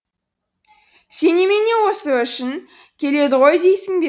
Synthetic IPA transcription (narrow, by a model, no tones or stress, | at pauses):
se̞nemene̞wo̞səʏʃɪŋ | kʲʰe̞le̞d̪ɪʁo̞jd̪e̞jsɪŋbe